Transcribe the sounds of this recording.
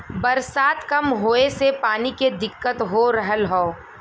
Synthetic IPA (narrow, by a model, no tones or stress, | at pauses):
bɐɾsaːt̪kɐmɦoːesepaːniked̪ɪkːət̪ɦoɾəɦəlɦoː